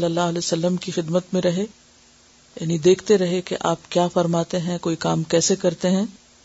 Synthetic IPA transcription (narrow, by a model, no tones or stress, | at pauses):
lːəlːaːɦɐlɛːsɐlːəmkixɪd̪mət̪mẽɾɐɦe | ja̰ːnid̪eːkʰt̪eɾɐɦekḛʔaːpkjaːfɐɾmaːt̪eɦɛ̃koːikaːmkɛːsekɐɾt̪eɦɛ̃ː